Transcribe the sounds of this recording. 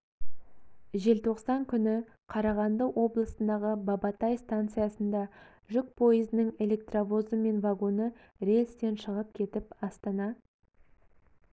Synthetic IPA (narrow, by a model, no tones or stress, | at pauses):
ʒe̞lt̪ʰo̞qsɑŋkʲʰʏnɪ | qʰɑɾɑʁɑnd̪əwʔo̞blˠəsənd̪ɑʁəbɑbɑt̪ɑjst̪ant̪sɨjasənd̪ɑ | ʒʏk̚pʰo̞jəzɪnəŋe̞lʲe̞kt̪ravo̞zəme̞nvaɡo̞nə | ɾe̞lʲst̪e̞nʃəʁəp̚kʲʰe̞t̪ɪpɑst̪ɑnɑ